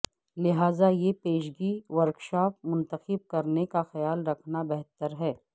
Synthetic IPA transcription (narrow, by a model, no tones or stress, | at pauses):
lɪɦaːzajepeːʃɡiːʋɐɾkʃaːp̚mʊ̃nt̪əxɪb̚kɐɾnekaxɐjaːlɾɐkʰnabɛɦt̪əɾɦɛː